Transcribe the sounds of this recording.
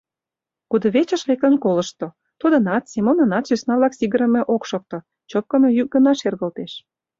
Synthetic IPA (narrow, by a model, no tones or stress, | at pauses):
kud̪ə̆βet͡ɕə̆ʃβeklənkolə̆ʃt̪o | t̪ud̪ə̆nɑt̪simonə̆nɑt̪ʃysnɑβlɑksiɣəɾə̆mĕʔokʃok̚t̪o | t͡ɕop̚kə̆mejyk̚ɡə̆nɑʃerɣə̆lt̪eʃ